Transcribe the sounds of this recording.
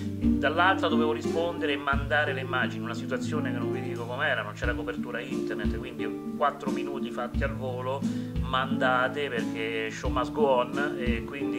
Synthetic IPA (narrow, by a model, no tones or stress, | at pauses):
d̪alːalt̪ɾad̪oveːvoɾispond̪eɾemːand̪aːɾeleimːaːd͡ʒiniunasit̪uwat̪sːjoːnekenːonvid̪iːkokomeɛːɾanont͡ʃɛːɾakopert̪uːɾaint̪ernet̪ːkwind̪i | kwat̪ːɾominuːt̪ifat̪ːialvoːlomand̪aːt̪eperk̟eʃomasɡwɔnɛkːwind̪i